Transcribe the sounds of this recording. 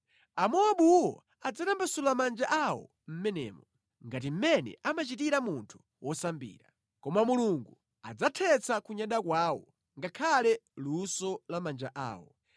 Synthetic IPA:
amɔwaɓuwɔ̰ | ad͡zatambasulamand͡ʒaʔawɔ̰ | m̩mɛnɛ̰ːmɔ | ŋɡat̬im̩mɛnɛ̰amat͡ʃitiɾamuntʰu̥ | wʔɔsambḭːɾa | kɔmamuluŋɡu | a̰d͡zatʰɛt͡sʰakuɲaɗakwaːwɔ | ŋɡakʰalɛlusɔlamand͡ʒaʔa̰ːwɔ

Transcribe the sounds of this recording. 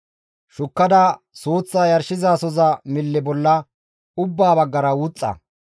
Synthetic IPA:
ʃʊkːɐd̪a | soːt͡sːaːjɐɾʃɪzaːsɔzɐmɪlːɪbɔlːɐ | ʊbːaːbɐɡːɐɾɐwuːt͡sʼːɐ̰

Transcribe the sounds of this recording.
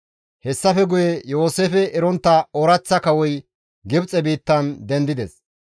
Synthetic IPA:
hɛsːɐfɛɡʊjejo̞ːseːfɛʔɛɾɔnt̪ːɐoɾɐt͡sːɐkɐwɔj | ɡɪbt͡sʼɛbiːt̪ːɐnd̪ɛnd̪ɪd̪ɛs

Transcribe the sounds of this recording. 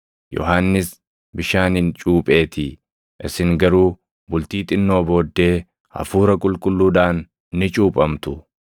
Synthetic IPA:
jɔ̰ɦaːnːɪs | bɪʃaːnɪnt͡ʃʼuːpʼe̞ːt̪ʰɪ | ʔɪsɪŋɡɐɾuː | bʊlt̪iːt̪ʼɪnːo̞ːbo̞ːd̪ːe̞ː | ɐ̰fuːɾɐkʼʊlkʼʊlːuːᶑaːnː | ɪt͡ʃʼuːpʼɐmt̪ʊ

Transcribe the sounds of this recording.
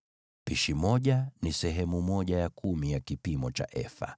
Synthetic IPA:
piʃimɔʄanisɛɦɛmumɔʄajakumijakipimɔt͡ʃa̰ʔɛ̰fa̰

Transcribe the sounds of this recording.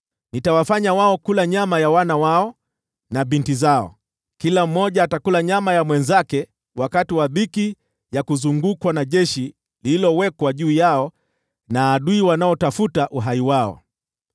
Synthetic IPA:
nitawafaɲawaɔkulaɲamajawanawaɔ | naɓintizaɔ̰ | kilam̩ːɔʄaːtakulaɲamajamwɛnzakɛ | wakatiwaɓiki | jakuzuŋɡukwanaʄɛʃi | liilɔwɛkwaʄuːjaɔ | naːɗuiwanaɔtafutaʔuɦaiwaɔ̰

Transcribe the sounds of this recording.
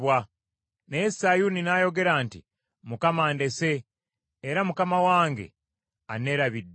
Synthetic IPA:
wa | nesajuninaːjo̞ɡe̞ɾaːnti | mukamaːnde̞se̞ː | ɾamukamawaːŋɡe̞̰ | ane̞ːɾaβidː

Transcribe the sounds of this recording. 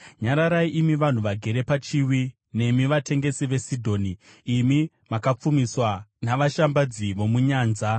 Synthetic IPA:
ɲaɾaɾaiʔimiʋan̤uʋaɡʱe̞ɾe̞pat͡ʃiwi | ne̞miʋate̞ŋɡe̞siʋe̞sidʱo̞ːniː | mi | makap͡fumiswanaʋaʃambad͡ziʋo̞muɲaːnza

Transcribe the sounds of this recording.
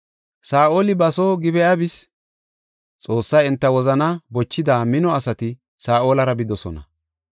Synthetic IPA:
saːʔo̞ːlɪbɐsoːɡɪbɛjabɪs | t͡sʼo̞ːsːɐjɛnt̪ːɐwɔzɐnɐbɔt͡ʃːɪd̪aːmɪnɔɐsɐt̪ɪ | saːo̞ːlɐɾɐbɪd̪ɔsɔ̰nɐ̰

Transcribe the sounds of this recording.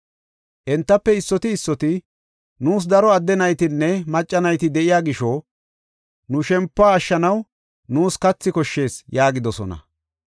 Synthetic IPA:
ʔɛnt̪ːɐpːɛɪsːɔt̪ɪːsːɔt̪ɪ | nuːs̬d̪ɐɾɔɐd̪ːɛnɐjt̪ɪnːɛmɐt͡ʃʼːɐnɐjt̪ɪd̪ɛʔɪjaːɡɪʃɔ | nʊʃɛmpːaːʃːɐnɐw | nuːskɐt͡sːɪkɔʃːe̞ːsjaːɡɪd̪ɔsɔ̰nɐ̰

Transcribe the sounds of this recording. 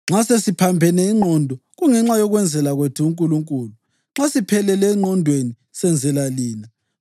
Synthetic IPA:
ŋ͡ǁasesipʰambʱɛnɛiŋ͡ǃɔndʱɔɣuŋɛŋ͡ǁajɔɣwɛnd͡zʱɛlaɣwetʰɛuŋkʼuluŋkʼuːlu | ŋ͡ǁasipʰɛlɛlɛŋ͡ǃɔndʱweni | sɛnd͡zʱɛlaliːna

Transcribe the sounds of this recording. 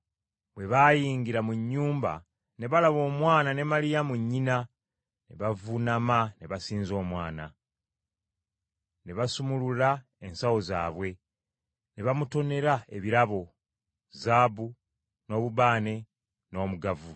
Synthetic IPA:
bwe̞βajiːŋɡiɾamuɲːuːmba̰ | ne̞βalaβo̞ːmwaːnane̞malijamuɲːina | ne̞βavunamane̞βasiːnzo̞ːmwaːna̰ | ne̞βasumulula | ensawo̞za̰ːβwe̞ | ne̞βamuto̞ne̞ɾae̞βiɾaβo̞ | zaːbu | no̞ːβuβaːne̞ | no̞ːmuɡavu

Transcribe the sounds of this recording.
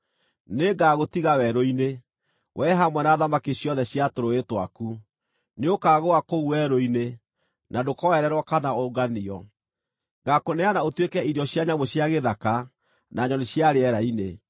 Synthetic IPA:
neɡaɣotiɣawɛɾoine | wʔɛɦamwɛnaːðamakeɕjɔðɛɕjatoɾoetwaku | neokaːɣoakouwɛɾoine | nadokɔɛɾɛɾwɔkanaoɡaniɔ | ɡakonɛanaotwekɛiɾjɔɕjaɲamoɕjaɣeðaka | naɲɔneɕjaɾeɛɾaine

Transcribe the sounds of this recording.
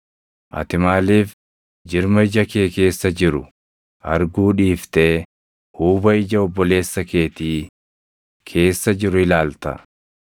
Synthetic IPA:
ʔɐ̰t̪ɪmaːliːf | d͡ʒɪɾmɐɪd͡ʒɐkeːke̞ːsːɐd͡ʒɪɾʊ | ʔɐɾɡuːᶑiːft̪e | huːbɐɪd͡ʒɐɔbːɔle̞ːsːɐke̞ːt̪iː | kʰe̞ːsːɐd͡ʒɪɾʊɪlaːlt̪ɐ̰

